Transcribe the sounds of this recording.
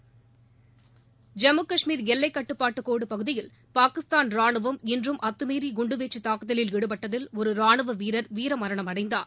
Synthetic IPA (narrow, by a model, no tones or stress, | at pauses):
d͡ʒɐmɯkɐʂmiːɾjɛlːɐɪkːɐʈːɯpːaːʈːɯkːoːɽɯpɐɣɯðɪjɪl | paːkɪst̪aːnɾaːɳɯʋɐmɪndrɯmʔɐt̪ːɯmeːɾiɡʊɳɖɯʋeːt͡ʃːɯt̪aːkɯðɐlɪlʋɪɽɯpɐʈːɐðɪlɔɾɯɾaːɳɯʋɐʋiːɾɐɾʋiːɾɐmɐɾɐɳɐmɐɽɐɪnd̪a̰ːn